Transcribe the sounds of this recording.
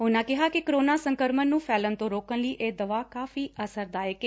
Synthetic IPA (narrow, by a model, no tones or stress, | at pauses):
ʊnãːkɪɦaːkɪkəɾoːnãːsəŋkəɾmənːũːfʰɛːlənt̪õːɾoːkənləiːʔeːd̪əʋaːkaːfiːəsəɾd̪aːjəkeː